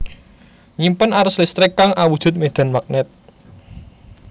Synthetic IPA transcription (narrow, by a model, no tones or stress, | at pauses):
ɲimpənaɾʊslist̪ɾɪkːaŋawud̥ʒ̥ʊ̤t̪̚med̪̥a̤nmak̚nɪt̪̚